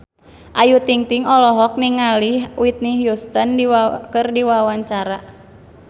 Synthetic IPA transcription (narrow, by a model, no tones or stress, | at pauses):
ʔajut̪iŋt̪iŋɔlɔɦɔk̚niŋalihwit̪̚niɦjust̪əndiwakɨrdiwawaɲt͡ʃaɾa